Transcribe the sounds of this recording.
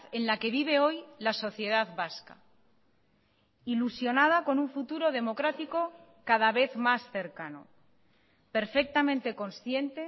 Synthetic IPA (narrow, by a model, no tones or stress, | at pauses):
e̞nlake̞βiβ̞e̞o̞jlaso̞θje̞ð̞aðβaska̰ | ilusjo̞nað̞ako̞nuɱfut̪uɾo̞ð̞e̞mo̞kɾat̪iko̞ | kaðaβ̞e̞θmasθe̞ɾkano̰ | pe̞ɾfe̞k̚t̪amẽnt̪e̞ko̞nsθje̞nt̪e